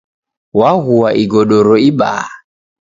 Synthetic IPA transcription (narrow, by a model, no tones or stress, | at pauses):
waɣuaʔiɡɔɗɔɾɔiɓa̰ː